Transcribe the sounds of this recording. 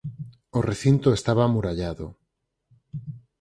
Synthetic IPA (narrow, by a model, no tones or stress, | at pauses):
oreθint̪oest̪aβaːmuɾaʎaðo̰